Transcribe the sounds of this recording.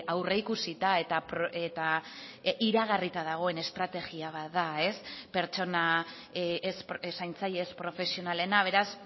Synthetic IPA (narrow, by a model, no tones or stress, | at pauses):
awre̞ikusit̪ae̞t̪apɾoet̪a | iɾaɣ̞arit̪að̞aɣ̞o̞e̞ne̞st̪ɾat̪e̞ɣiaβ̞at̪ðae̞spe̞ɾt͡ʃo̞na | espesajnt͡sajespɾo̞fe̞sio̞nale̞naβ̞e̞ɾas